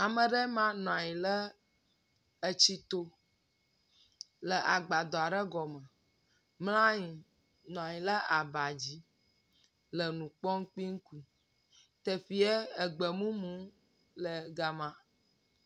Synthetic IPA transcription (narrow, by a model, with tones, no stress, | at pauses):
a˨mə̃˨ɖɛ˦mã˦nɔ̃˨a˨ɲĩ˨lə˦ | ə˨t͡ɕi˦t̪o˦ | lə˨ʔa˨ɡ͡ba˨d̪ɔ˨a˨ɖə˦ɡɔ˨mə̃˨ | mlã˦ɲĩ˨ | nɔ̃˨a˨ɲĩ˨lə˦a˨ba˨d͡ʑi˦ | lə˨nũ˨k͡pɔ˦ŋ̩˦k͡pi˦ŋ̩˦ku˦ | t̪ɛ˨ɸi˨ɛ˦ə˨ɡ͡bə˨mũ˦mũ˦ | lə˨ɡa˨mã˦